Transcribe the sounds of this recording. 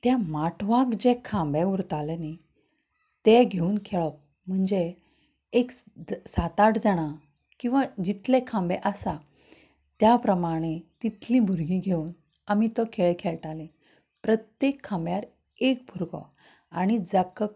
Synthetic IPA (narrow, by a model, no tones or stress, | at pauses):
t̪jamaʈʰʋãkd͡ʑekʰãmbẽuɾt̪aleni | t̪eɡʱeuːnkʰeɭəp̚ | m̤əɳd͡ze | eksat̪aʈd͡zaɽ̃a | kĩw̃ʋad͡ʑit̪lekʰãmbeʔəsa | t̪japɾəmaɽ̃et̪it̪ʰlibʱuɾɡiːɡʱeuːn | amit̪ɔkʰeɭekʰeɭʈalẽ | pɾət̪jekʰːãmbjaɾ | ek̚bʱuɾɡɔ̰ | aɽ̃id͡zəkə